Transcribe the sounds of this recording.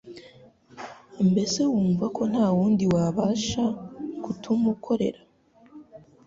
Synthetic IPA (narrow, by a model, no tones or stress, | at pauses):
mbe̞se̞wuːɱvakʰo̞n̥haːwuːndiwaβaːʃakutʰumukʰo̞ɾe̞̰ɾa